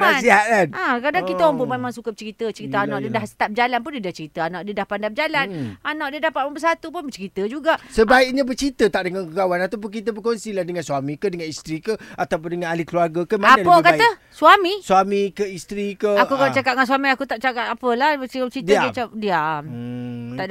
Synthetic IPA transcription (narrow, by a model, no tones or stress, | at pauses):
masiɦaʔanʔakɾadaŋkit̪aaŋpunmemãŋsukəbt͡ʃəɾit̪ət͡ʃəɾit̪əanaʔdiədahsə̥t̪ad͡ʒalanp̬ʊndiədat͡ʃəɾit̪əanaʔdiədahpandab̚əd͡ʒalananaʔ̚diədapat̪̚manbəsat̪up̬ʊnbət͡ʃəɾit̪əd͡ʒuɡaʔsəbaik̚ɲabərt͡ʃɾit̪ət̪aʔ̚dəŋankəɡawanat̪awp̬ʊnk̬it̪əbəkonsilahdəŋanswamĩkədəŋanist̪ɾikəat̪awp̬ʊndəŋanalikluarɡakamadaəkat̪ə | suamisuamikəist̪ɾikəakukalat͡ʃakat̪̚ŋansuamiakut̪aʔ̚t͡ʃakatapəlahbət͡ʃidat͡ʃap̚dia | t̪aʔ